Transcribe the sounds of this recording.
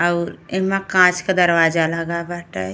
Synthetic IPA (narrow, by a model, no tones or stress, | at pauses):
əɾemãkãt͡ʃked̪əɾʋad͡ʒaləɡabaʈə̰